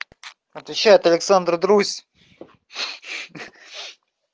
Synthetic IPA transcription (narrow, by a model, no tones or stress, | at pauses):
ɐt̪vʲɪɕːæjɪt̪ɐlʲɪksand̪rd̪ɾusʲ